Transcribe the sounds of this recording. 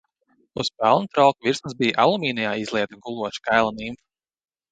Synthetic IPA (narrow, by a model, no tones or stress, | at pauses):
uspɛlˠnut̪ɾɔlˠkviɾsmzbijʔalˠumiːnijaːizlˠiɛt̪aɡulˠuɔʃkajlˠanimf